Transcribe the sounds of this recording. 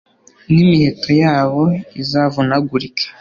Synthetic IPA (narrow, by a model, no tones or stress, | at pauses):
nimihe̞tʰo̞jaːβo̞izavunaɡuɾikʰḁ